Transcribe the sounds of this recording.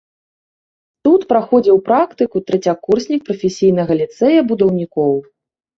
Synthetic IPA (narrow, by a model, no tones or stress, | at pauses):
t̪ut̪pɾaxɔd͡zʲiwpɾakt̪ɨkut̪ɾɛt͡sʲakːursʲnʲik̚pɾɐfʲesʲijn̪ɐɣɐlʲit̪sɛjɐbud̪ɐwnʲikɔw